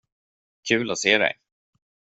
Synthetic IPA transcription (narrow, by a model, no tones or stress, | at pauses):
kʰʉ̟ːlɔseːd̪ɛ̰j